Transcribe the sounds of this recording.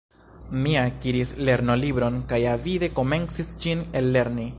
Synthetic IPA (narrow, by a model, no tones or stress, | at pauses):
miakiɾisle̞ɾno̞libɾo̞nkajavide̞ko̞me̞nsisd͡ʒine̞lːe̞ɾni